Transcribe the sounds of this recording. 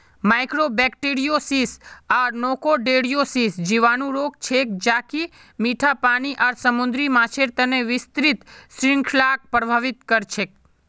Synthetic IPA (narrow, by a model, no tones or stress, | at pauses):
majkɾobɛkʈeɾijosisaɾnokoɖeɽijosisd͡ʒiʋanũɾok̚t͡ʃʰek̚d͡ʒaki | miʈʰapaniʔaɾsəmund̪ɾimãt͡ʃʰeɾt̪əneʋɪst̪ɾit̪sɾɪŋkʰlak̚pɾəbʱaʋit̪kəɾt͡ʃʰek̚